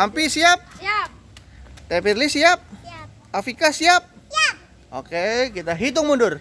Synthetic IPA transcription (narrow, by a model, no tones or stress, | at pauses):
ampisiap̚ | t̪ɛpirlisiap̚ | afikasiap̚ | o̰kekit̪aɦit̪ʊŋmundʊr